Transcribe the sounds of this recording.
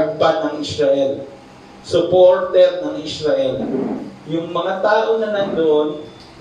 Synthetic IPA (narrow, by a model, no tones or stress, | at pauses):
ɡ̚banɐŋʔɪsɾɐʔɛl | sʊpoɾt̪ɛɾ̚nɐŋʔɪsɾɐʔɛljʊŋmɐŋat̪aːʔonɐnɐnd̪oʔon